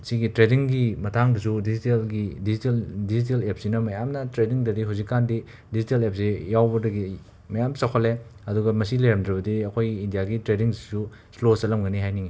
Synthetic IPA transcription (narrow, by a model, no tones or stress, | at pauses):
siɡitɾediŋɡimɐtʰaŋbɐsudizitelɡidiziteldizit̬elep̚sinɐmɐjamnɐtɾediŋdɐdiɦawzikːandi | dizitelep̚sejawbɐdɐɡi | mɐjamsɐkʰoleɐduɡɐmɐsilɐjɾɐmdɾɐbɐdiɐkʰojɡiːndijaɡitɾediŋsisu | slosɐlɐmɡɐniɦajniŋi